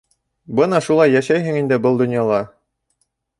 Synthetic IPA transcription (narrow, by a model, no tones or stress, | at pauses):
bɤnɑʃulˠɑjːæʃæjɦɘŋind̪ɘbɤlˠd̪ŏnjɑlˠɑ